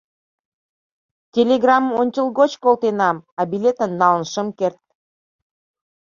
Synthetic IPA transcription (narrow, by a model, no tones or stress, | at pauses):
tʲelʲeɡrɑmonʲt͡ɕʲəlˠɣot͡ɕkolt̪enɑmɑbʲilʲet̪ənːɑlənʃəmkert̪̚